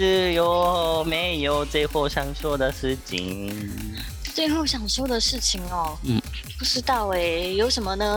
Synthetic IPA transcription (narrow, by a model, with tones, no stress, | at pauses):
ʂɻ̩˥˩jo˧˦ʊme˧˥ɪjo˨˦ʊt͡swe˥˧ɪxo˥˩ʊɕjɑ˨˩ŋɕjɔ˥ʊd̪ə˨ʂɻ̩˥˩t͡ɕʰḭ˧˩ŋ | t͡swe˥˧ɪxo˥˩ʊɕjɑ˨˩ŋɕjo˥ʊd̪ə˨ʂɻ̩˥˩t͡ɕʰi˨˩ŋɔ˨˩n̩˥˩ | pu˧˥ʂɻ̩˥˧t̪a˥˩we˧˩ɪjo˧˥ʊʂə˧˥nmə˧nə˧